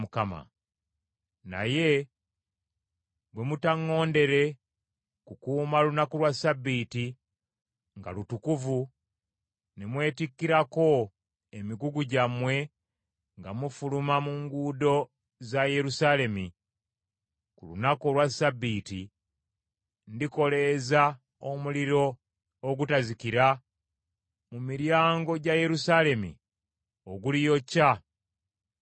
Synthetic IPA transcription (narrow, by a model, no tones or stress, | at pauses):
mukama̰ | na̰je̞ | ɡwe̞mutaŋːo̞ːnde̞ɾe̞ | kukuːmalunakolwasabːiːti | ŋɡa̰lutukuvu | nemwe̞ːtikːiɾako̞ | emiɡuɡuɟamwe̞ | ŋɡamufulumamuŋɡuːdo̞ | zaje̞ɾusale̞mi | kulṵnako̞lwasabːiti | ndiko̞le̞za | omuliɾo̞ː | ɡutazikiɾa | mumiɾjaːŋɡo̞ɟaje̞ɾusale̞mḭ | oɡulijo̞cːa